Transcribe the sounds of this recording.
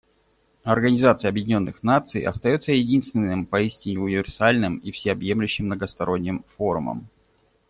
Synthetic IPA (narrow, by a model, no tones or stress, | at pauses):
ɐrɡənʲɪzat̪sɨjəɐbjɪdʲɪnʲo̞nːɨxnat̪sɨ̰jɐ̰st̪ɐjo̞t̪səjɪdʲinst̪vʲɪnːɨmpɐisʲtʲɪnʲɪʊnʲɪvʲɪrsalʲnɨmifsʲɪɐbje̞mlʲʉɕːɪmːnəɡəst̪ɐɾo̞nʲːɪmfo̞ɾʊmə̰m